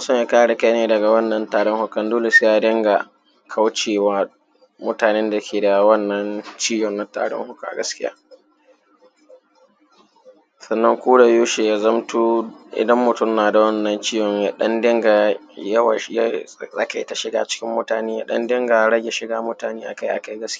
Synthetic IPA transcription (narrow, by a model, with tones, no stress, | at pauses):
a˦sɔ˦mja˦kaː˦ɽe˨ka˦jneː˨dɐ˨ɡa˨wɐ˦nːɐ˦ntaː˨ɽɔ˦ŋhʊ˦kɐ˦ndoː˦le˨se˦ja˦dɪ˦ŋɡa˨ | kʰa˦wt͡ʃeː˨waː˦ | mʊ˦taː˨neː˦nda˨˦kʲeː˨da˨wɐ˦nːɐ˦nt͡ʃiː˦jɔ˨nna˦ta̰ː˨ɽɔ̰˦ŋhʊ˦ka˦˨ʔa̰˨ɡɐ˦skʲɪ˦ja̰ː˦ | sɐ˨nːɐ˦ŋkʷuː˦da˨joː˦ʃe˨ja˦zɐ˦mtuː˦ʔɪ̰˨dɐ˦mːʊ˨tʊ˦˨mnaː˨da˨wɐ˦nːɐ˦nt͡ʃiː˦jɔ˨ɲja˨˦ɗɐ̰˦ndɪ˦ŋɡa˨jɐ˦wa̰˨˦ja˦sʼa̰˦ka˨ɪ˦ta˨ʃɪ˨ɡa̰ː˦˨t͡ʃɪ̥˦kʲɪ˦mːʊ˦taː˨neː˦ja˦ɗɐ̰˦ndɪ˦ŋɡa˨ɽɐ˦ɡʲe˨ʃɪ˨˦ɡaː˦mʊ˦taː˨neː˦ʔa˨ka˦jʔa̰˨ka˦jɡɐ˦skʲː